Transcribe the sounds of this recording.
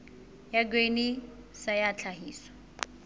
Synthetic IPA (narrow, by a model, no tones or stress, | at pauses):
jaɡ̬weni | sajat͡ɬʰaɦiːswḁ